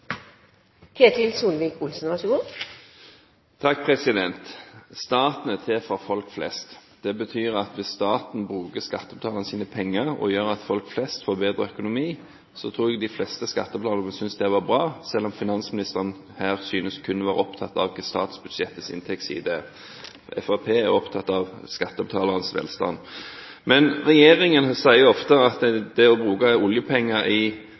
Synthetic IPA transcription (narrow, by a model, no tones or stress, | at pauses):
kʰeːt̪ʰɪlsuːlʋiːkʊlsn̩ʋɑsəɡʊː | t̪ʰɑk̚ːpʰʁɛsɪd̪ɛnt̪st̪ɑːt̪n̩ɛt̪ʰefɾɑfɔlkflɛ̰st̪d̪̥ɛbət̪ʰyːʁɑt̪ʋɪsst̪ɑːt̪n̩bʁʉːkəskɑt̪ːəblɑːlənəsiːnəpʰɛŋːəʁɔ̰jøːʁɑt̪fɔlkflɛst̪foːʁbeːd̪ʁəœkʊnʊmiː | sɔt̪ʰʁuːɛɡd̪ɪflɛst̪əskɑt̪ːəplɑːləʁnəsʏnsd̪ɛʋɑbʁɑːsɛlːɔmfɪnɑnsmɪnɪst̪əʁən | hæːʁsyːnəskʰʉnːəʋɑːʁə̰ɔpt̪ʰɑt̪ːɑ̰ʋkst̪ɑ̰ːt̪sbʉd̪̥ʂɛt̪ːəsɪ̰nt̪ʰɛk̚t̪sḭːd̪ə | ɛ̰fɑpʰeːæɾɔpt̪ʰɑt̪ːɑʋskɑt̪ːəbət̪ʰɑːləʁənsʋɛ̰ːlst̪ɑ̰n | mɛnʁɛjeːʁɪŋənsæɪəʊɔft̪əɑt̪d̪ɛɔbɾʉːkɑʊljəpʰɛŋːəɾɪ